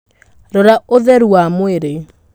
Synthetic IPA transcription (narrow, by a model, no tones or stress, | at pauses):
ɾɔɾaoðɛɾuamoeɾe